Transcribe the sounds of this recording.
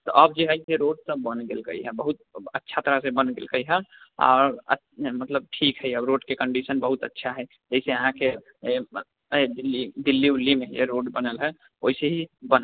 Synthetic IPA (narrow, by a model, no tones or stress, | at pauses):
t̪ɔʔəbd͡ʒeɦaɪteɾoɖsəbːənɡelkə̰iɦɛbəɦut̪̚ətːʃʰat̪əɾasẽbənɡḛlkəiɦɛa̰ːɾə̰ | mət̪ləb̚ʈʰikɦɛiəbɾoːɖkekə̃ɳɖisənbəɦut̪ətːʃʰaɦɛ | d͡ʒəiseəɦãke | ed̪ilːid̪ilːiulːimejḛɾoɖbənəlɦɛ | oiseɦibən